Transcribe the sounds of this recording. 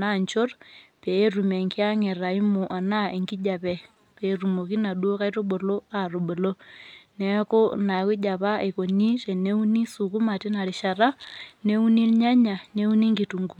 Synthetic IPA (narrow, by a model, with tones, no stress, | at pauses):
na˦˨ɲt͡ʃo˦rpeː˨˦ru˨me˨ŋki˦a˦ŋe˨ɾa˨i˦mo˨ʔa˨na˦e˨ŋɡi˦d͡ʒa˨pɛ˨ | pe˨ru˨mo˨ki˦na˨ɗu˦o˦ka˦i˦to˦ɓo˨lo˦a˨ro˨ɓo˨lo˦ne˨˦ko˦na˨ku˦d͡ʒa˨pa˦e˨ko˨ni˦te˨ne˦u˦ni˦su˨ku˦ma˨ti˦na˨ɾi˨ʃa˨ra˦ne˦u˦ni˦lɲa˦ɲa˨ne˦u˦ni˦ŋɡi˨tu˨ŋɡu˨